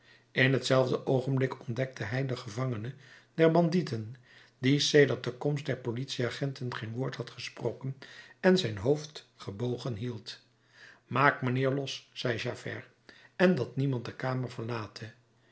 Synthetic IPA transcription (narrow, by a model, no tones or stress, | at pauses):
ɪnɦətsɛlˠvdəʔowχənblɪkɔndɛk̚tʰəɦɛjdəχəvɑŋənədɛɹbɑnditən | disejdəɹt̚dəkɔmstdɛɹpolitsiaːχɛntənχejnʋʊːɹthɑtχəsprowkənɛnzɛjnɦowft | χəbowχənɦilˠt | maːkmənɪːɹlɔsːɛjʒaːfɛ̰ɹ | ɛndɑtnimɑnt̚dəkaːməɹv̥əɹlaːtʰə